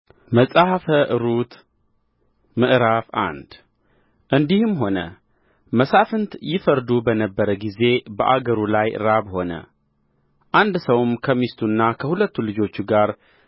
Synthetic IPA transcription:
məsʼahfəʔɨɾut̪ | mɨʔɾafa̰nd̪̥ | ʔɨnd̪ihɨmɦo̞nə̰ | məsafɨnt̪jɪfəɾd̪ubənəbːəɾəɡize̞bəʔaɡəɾulajɾaβho̞nə̰ | ʔand̪səwmkʰəmist̪ʰunːakʰəhulət̪ːulɨd͡ʒo̞t͡ʃːɡaɾ

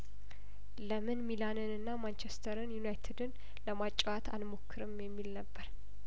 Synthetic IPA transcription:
ləmɨnmilanɨnɨnːamant͡ʃest̪ʰəɾɨnjunajt̪ʰɨd̪ɨn | ləmat͡ʃʼːwat̪ʰa̰nmokʰːɨɾɨmjɛmːilnəbːəɾ

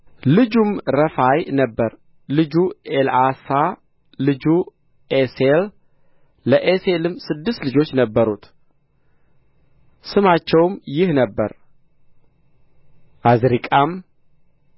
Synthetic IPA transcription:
lɨd͡ʒumɾəfajnəbːəɾ | lɨd͡ʒuelasa | lɨd͡ʒu | esel | ləʔeselɨmːsɨd̪ːɨst̪lɨd͡ʒo̞t͡ʃːnəbːəɾut̪ | sɨmat͡ʃːɛwmjɪhnəbːə̰ɾ | ʔazɾikʼam

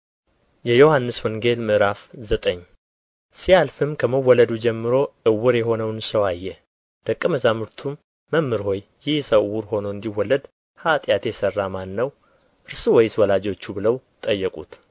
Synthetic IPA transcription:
jɛjo̞hanːɨswɔŋɡe̞lmɨɾafzət̪ʼəɲː | sialfɨmkʰəməwːɔləd̪ud͡ʒɛmːɨɾo̞ʔɨwːɨɾjɛɦo̞nəwnsəwajːɛ | d̪̥əkʼːɨməzamɨɾt̪ʰumː | əmːɨɾho̞jːɪhsəwːuɾho̞noɨnd̪iwːɔlːəd̪ | hat̪ʼjat̪jɛsərːamanːəw | ʔɨɾsuwɔjɪswɔlad͡ʒo̞t͡ʃːubɨləw | t̪ʼəjːɛkʼṵt̪

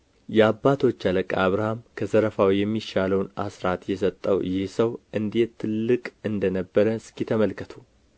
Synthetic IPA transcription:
jɛabːat̪ʰo̞t͡ʃːaləkʼaβɾahamkʰəzəɾəfawjɛmːiʃaləwnasɾat̪jɛsət̪ʼːəwjɪhsəwʔɨnd̪e̞t̪ʰːɨlːɨkʼɨnd̪ənəbːəɾəskit̪ʰəməlkʰət̪ʰu

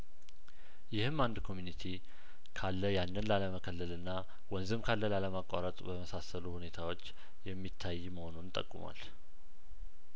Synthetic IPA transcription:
jɪhɨmːand̪kʰo̞mjunit̪ʰi | kʰalːəjanːənlaləməkʰəlːəlɨnːa | wɔnzɨmkʰalːəlaləmakʼːa̰ɾət̪ʼbəməsasəluhune̞t̪ʰawo̞t͡ʃː | jɛmːit̪ʰːajːməho̞nunt̪ʼə̰kʼːuma̰l

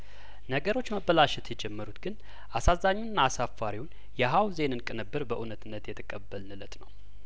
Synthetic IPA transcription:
nəɡəɾo̞t͡ʃːməbəlaʃɛt̪ʰjɛd͡ʒɛmːəɾut̪ɡ̥ɨn | ʔasazaɲːunːaːsafːaɾiwʊn | jɛɦawze̞nɨnkʼɨnɨbːɨɾbəʔunət̪ɨnːət̪jɛt̪ʰəkʼəbːəlnɨlət̪ʼnəw

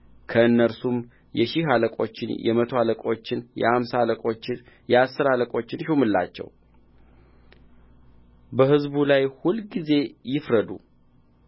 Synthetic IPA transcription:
kʰəɨnːəɾsum | jɛʃiɦaləkʼo̞t͡ʃːɪ̰njɛ̰mət̪ʰo̞haləkʼo̞t͡ʃːɪnjɛ̰amsaaləkʼot͡ʃːɪ | jɛasːɨɾaləkʼo̞t͡ʃːɪnʃumɨlːa̰t͡ʃːɛ̰w | bəhɨzbulajhulɡize̞jɪfɾəd̪ṵ

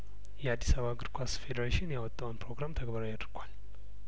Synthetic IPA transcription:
jɛad̪ːisaβaɡɨɾkʷʰasfe̞d̪əɾaʃinjawɔt̪ʼːawɨnpɾo̞ɡɾamt̪ʰəɡbəɾajad̪ɨɾɡʰʷal

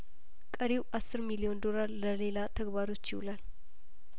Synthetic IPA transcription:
kʼəɾiwʔasːɨɾmilio̞nd̪o̞laɾləle̞lat̪ʰəɡbaɾo̞t͡ʃːjɪwulal

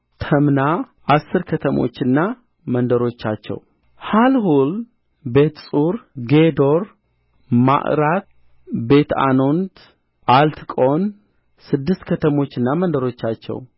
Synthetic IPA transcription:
t̪ʰəmna | ʔasːɨɾkʰət̪ʰəmo̞̰t͡ʃːɨnːa | mənd̪əɾo̞t͡ʃːat͡ʃːɛ̰w | halɦul | be̞t̪sʼuɾɡed̪o̞ɾ | ma̰ʔɾat̪ | be̞t̪ʰa̰no̞nt̪ | ʔalt̪ʰkʼo̞n | sɨd̪ːɨst̪kʰət̪ʰəmo̞t͡ʃːɨnːamənd̪əɾo̞t͡ʃːat͡ʃːɛ̰w

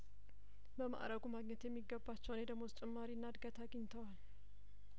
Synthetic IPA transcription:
bəma̰ʔɾəɡumaɡɲɛt̪jɛmːiɡːəbat͡ʃːɛwned̪əɡmozt͡ʃʼɪmːaɾinːad̪ɡat̪ʰaɡəɲːt̪ʰəwal

